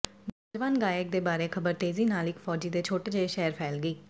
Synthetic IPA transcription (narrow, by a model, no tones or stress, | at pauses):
bəd͡ʒʋaːnɡaːjək̚d̪eːbaːɾeːkʰəbəɾt̪eːziːnaːlɪkfʰɔːd͡ʒiːd̪eːt͡ʃʰoːʈeːd͡ʒeʃɛːəɾpʰɛːlɡəiː